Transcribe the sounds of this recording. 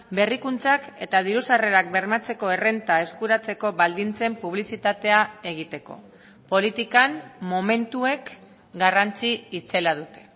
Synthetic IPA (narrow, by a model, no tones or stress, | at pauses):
be̞rikunt͡sake̞t̪að̞iɾusare̞ɾak̚be̞ɾmat͡se̞ko̞ere̞nt̪ae̞skuɾat͡se̞ko̞βald̪int͡se̞mpuβ̞lisit̪at̪e̞ae̞ɣ̞it̪e̞ko̞̰ | po̞lit̪ikammo̞me̞nt̪ue̞k | ɡarant͡siːt͡se̞lað̞ut̪e̞̥